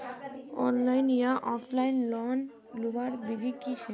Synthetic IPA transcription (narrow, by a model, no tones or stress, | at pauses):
ɔ̰nlajnijaʔɔpʰlajnlɔn | lubaɾbid̪ikiʃʰe